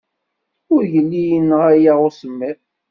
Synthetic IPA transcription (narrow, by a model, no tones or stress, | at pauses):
ʊɾʝəlːijənːəʁæjaʁʊsəmːið